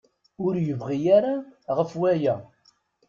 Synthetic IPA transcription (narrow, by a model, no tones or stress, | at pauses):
ʊɾjəvʁijaɾaʁəfwæjæ